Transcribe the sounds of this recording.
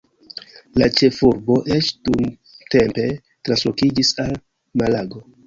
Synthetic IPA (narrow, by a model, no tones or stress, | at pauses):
lat͡ʃe̞fuɾbo̞ʔe̞t͡ʃdun | te̞mpe̞ | tɾanslokid͡ʒisal | malaɡo̞